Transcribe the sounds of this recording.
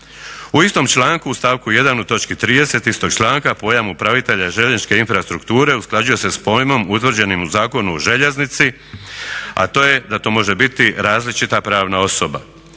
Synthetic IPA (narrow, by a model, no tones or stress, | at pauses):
uist̪o̞mt͡ʃlˠaːŋkuːst̪aːʋkuje̞d̪anut̪o̞t͡ʃkit̪ɾiːd̪e̞se̞t̪ist̪o̞ɡ̥̚t͡ʃlˠaːŋkapo̞ːjamupɾaʋit̪e̞ʎaʒe̞ʎiʃke̞infɾast̪ɾukt̪uːɾe̞usklˠad͡ʑujo̞se̞spo̞jmo̞mut̪ʋr̩d͡ʑe̞nimuzaːko̞nuoʒe̞ʎe̞znit̪si | a̰t̪o̞ːjed̪at̪o̞ːmo̞ʒe̞bit̪iɾaːzlit͡ʃit̪apɾaːʋnao̞so̞ba̰